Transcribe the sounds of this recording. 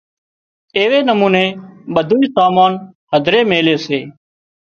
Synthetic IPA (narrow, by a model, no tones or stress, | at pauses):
eːʋeːnəmũːneːɓəd̪ʱuːiːsaːmaːnhəd̪ʱɾeːmeːleːseː